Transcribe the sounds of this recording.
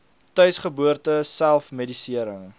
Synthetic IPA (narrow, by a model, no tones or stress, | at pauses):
tœɥsχəbuərtəsælˠfmedisiəɾəŋ